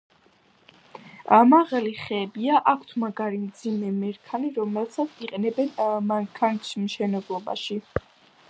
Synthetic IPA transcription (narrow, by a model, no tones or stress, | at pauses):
amaʁaliχɛːbiaʔakʰt̪ʰmaɡaɾimd̪zimɛmɛɾkʰaniɾɔmɛlˠsat̪sʰiqʼɛnɛbɛnmaɾkʰanʃmʃɛnɛblˠɔba̰ʃi